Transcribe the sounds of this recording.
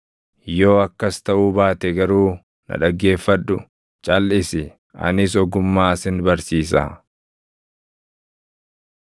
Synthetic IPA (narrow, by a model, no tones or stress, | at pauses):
jo̞ːɐkːɐst̪ɐʔuːbaːt̪ɛɡɐɾuː | nɐ̰ᶑɐɡːe̞ːfːɐᶑʊ | t͡ʃʼɐlːɪsɪ | ʔɐ̰nɪs̬ɔɡʊmːaːsɪnbɐɾsiːs̬ɐ̰ː